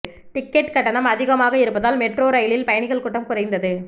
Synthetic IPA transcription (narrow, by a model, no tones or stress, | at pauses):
ʈɪkːɛʈkɐʈːɐnɐmɐðɪɣɐmaːɣɐɪɾɯpːɐðaːlmɛʈroːɾɐjɭɪlpɐjɐɳɪɣɐɭkʊʈːɐmkʊrɐɪnd̪ɐðɯ